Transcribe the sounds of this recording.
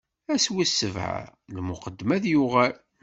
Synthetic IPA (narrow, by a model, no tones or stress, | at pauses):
æswisːəvʕa̰lmʊqəd̪ːmæðjʊʁæl